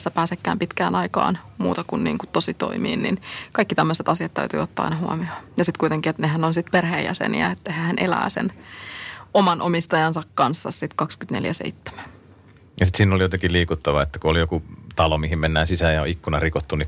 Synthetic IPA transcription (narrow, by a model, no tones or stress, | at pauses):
sːæpæːsekːæ̰ːmpit̪kæːnʔɑikɑ̰ːnmuːt̪ɑkunnḭːŋkutt̪osit̪o̰imḭːnnḭnkɑikːit̪æmːøset̪ɑsiɑt̪t̪æ̰yt̪y̰ːot̪ːɑːɑ̰inɑhuɑ̰miɑjɑsit̪kuit̪eŋkiet̪nehænonsit̪perhḛːjʔæ̰sḛnḭæ̰et̪ːæhehænʔelæ̰ːsḛn | omɑnʔomist̪ɑjɑnsɑkkɑnsːɑssit̪kɑkskyt̪neljæsḛit̪ːe̥mæn | jɑsit̪siːnolijot̪ekiliːkut̪ːɑʋɑet̪ːækuolijokut̪ɑlomihimmenːæːnsisæːjɑo̰ikːunɑrikot̪ːuni